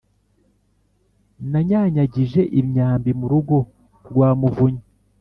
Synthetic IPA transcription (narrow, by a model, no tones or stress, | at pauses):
naɲaːɲaɟiʒe̞ʔimɲaːmbimuɾuɡo̞ | ɾɡwaːmuvuɲi